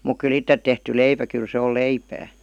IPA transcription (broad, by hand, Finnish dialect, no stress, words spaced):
muk kyl itːet tehty leipæ kyl se ol leipæː